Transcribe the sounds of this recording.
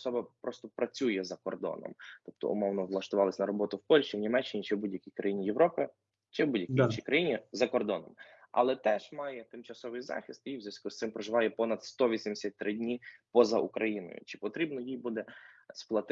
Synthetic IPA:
sɔbɐpɾɔst̪ɔpɾɐt͡sʲujɛzɐkɔ̰rd̪ɔ̰nɔ̰mt̪ɔp̚t̪ɔ̰ʊ̰mɔwnɔʋlˠɐʃt̪ʊʋɑlˠɪsʲnɐɾɔbɔt̪ʊwpɔlʲʃt͡ʃiwnʲimɛt͡ʃːɪnʲit͡ʃɛbudʲjɐkʲijkɾɐjinʲijeʋɾɔpɪ | t͡ʃɛbudʲjɐkiiʃikɾɐjinʲizɐkɔrd̪ɔnɔm | ɐ̰lˠɛt̪ɛʒ̥mɑjɛt̪ɪmt͡ʃɐsɔʋɪjzɑ̰xʲist̪jijzʲɐsʲkust̪sɪmpɾɔʒɪʋɑjɛpɔnɐd̪st̪ɔʋʲisʲimd̪esʲɐt̚ʲt̪ɾɪdʲnʲipɔzɐʔukɾɐjinɔ̰jʊ̰t͡ʃɪ̥pɔt̪ɾʲibnɔjijbud̪ɛsplˠɐt̪

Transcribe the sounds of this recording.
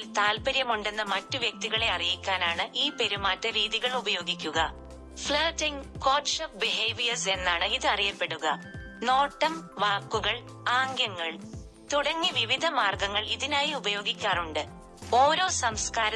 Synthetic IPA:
lt̪aːlpɐɾjɐmuɳɖe̞nːɐmɐtːuʋjɐk̚t̪iɣɐɭe̞ɐrijikʲːaːnaːɳɨʔiːpe̞ɾumaːtːɨɾiːðiɣɐɭubɐjo̞ːɡikʲːuɣɐ | fɭɐːʈːiŋko̞ːʈʂɐp̚biɦeːʋijɐrse̞nːaːɳɨiðɨɐrijɐpːe̞ɽuɣɐ | no̞ːʈːɐmʋaːkːuɣɐɭ | aːŋɡjɐŋːɐɭ | t̪uɽɐŋːiʋiʋid̪ʱɐmaːrɡɐŋːɐɭiðinaːjiubɐjo̞ːɡikʲːaːnuɳɖɨ | o̞ːɾo̞ːsɐmskaːɾɐ

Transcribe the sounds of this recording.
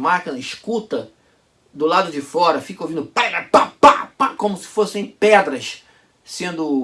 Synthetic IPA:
makɐ̃ɪʃkut̪ɐ | d̪ʊlad̪ʊd͡ʒɪfɔɾɐfikovĩnd̪ʊpalɐpapapakõmʊsɪ̥fosɪẽj̃pɛd̪ɾɐʃ | sẽnd̪ʊ

